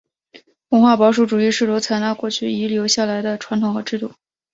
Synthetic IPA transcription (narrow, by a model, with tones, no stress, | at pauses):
wə˧˥ŋxwa˥˩pɑ˧˥ʊʂ̬u˥˩ʈ͡ʂu˨˩i˥˧ʂɻ̩˥˩lwɔ˧˥ʊt͡sʰa˧˥ɪna˥kwɔ˥˧t͡ɕʰy˥˩i˧˥ljo˧˥ʊɕja˥˩la˧˥ɪd̪ə˧ʈ͡ʂʰwa˧˥nt̪ʰʊ˨˩ŋxɤ˧˥ʈ͡ʂɻ̩˥˧t̪u˥˩